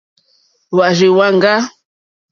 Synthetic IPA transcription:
wa˨ʒe˨wa˦ŋ̩˨ɡa˦

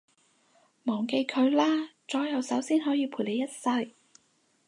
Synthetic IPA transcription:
mɔː˨˩ŋke˧jkʰɵ˨˧ɥlaː˥t͡sɔː˨˥jɐ˨˧wsɐ˨˥wsiː˥nɦɔː˨˥jiː˨˧pʰuː˨˩le˨˧jɐ˥t̚sɐ˧j

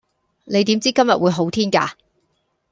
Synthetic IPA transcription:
ne˨˧jt̪i˨˥mt͡siː˥kɐ˥mjɐ˨t̚wuː˨˧jɦo˨˥wt̪ʰiː˥nkaː˧

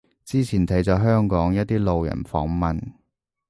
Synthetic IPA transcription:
t͡siː˥t͡sʰiː˨˩nt̪ʰɐ˨˥jt͡sɔː˨˧ɦœː˥ŋkɔː˨˥ŋjɐ˥t̚t̪iː˥lo˨wjɐ̰˨˩nfɔ̰ː˨˥ŋmɐ˨n

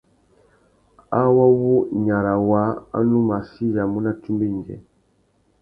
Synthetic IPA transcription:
a˦wa˦wu˦ɲa˨ɾa˨wa˨˦a̰˦nu˦ma˨si˦ja˨mu˦na˦tu˦mbe˦˨n˨d͡ʒɛ̰˨

